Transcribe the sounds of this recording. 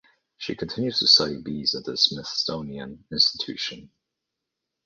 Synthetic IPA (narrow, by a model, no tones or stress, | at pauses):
ʃikʰə̃ntʰɪ̃njʉz̥tʰɨsalibizət̪̚ðəsmɪθstõʊ̃niə̃nɪ̃nstɪ̥tʰʉ̰ˑʃə̃n